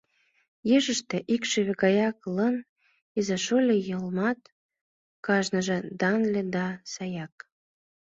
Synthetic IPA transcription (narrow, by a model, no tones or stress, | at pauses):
jeʒə̆ʃt̪ĕʔikʃeβeɡɑjɑklən | ezɑʃolʲejəlmɑt̪ | kɑʒnəʒĕd̪ɑnlʲĕd̪ɑsɑjɑk̚